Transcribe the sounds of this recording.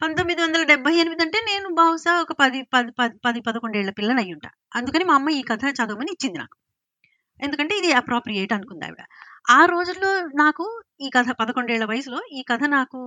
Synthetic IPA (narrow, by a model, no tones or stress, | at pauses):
pɐnt̪o̞mːid̪iʋɐnd̪ɐlɐɖɛbʱɐjenimid̪ɐɳʈe̞ːne̞ːnubɐːwsaːɔkɐpɐd̪ipɐipɐpɐd̪ipɐd̪ɐko̞ɳɖɛːɭːɐpilːɐnɐjːuɳʈa̰ːɐnd̪ukɐniːmɐmːɐiːkɐt̪ʰɐt͡ʃaːd̪oːmɐnd̪it͡ʃːind̪ina̰ːku̥ | e̞nd̪ukɐɳʈe̞ːid̪iɐpɾoːpɾijeːʈɐnukund̪a̰ɐʋḭɽɐ̰aːɾo̞ːd͡ʒulːo̞ːnaːkuiːkɐt̪ʰɐpɐd̪ɐko̞ɳɖɛːɭːɐʋɐjɐsulo̞ːiːkɐt̪ʰɐnaːku